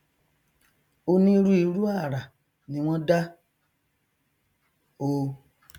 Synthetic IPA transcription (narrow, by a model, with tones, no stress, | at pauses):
o˧nĩ˦˧ɾu˦i˧˦ɾu˦a˦˨ɾa˨ | nĩ˨˧˦w̃ɔ̃˦da˦ | o˧